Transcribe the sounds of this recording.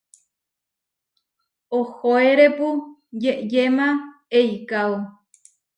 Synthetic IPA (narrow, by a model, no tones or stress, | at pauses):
ohoeɾepujeʔjemãejkaw